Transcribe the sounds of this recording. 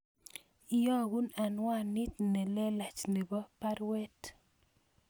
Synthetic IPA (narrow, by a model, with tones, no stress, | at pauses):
i˨jɔ˦˨ɡu˦na˨nwa˦˨ni˦t̚ne˨lɛ˦la˨t͡ʃne˨bɔ˦pa˦ɾwɛ˦t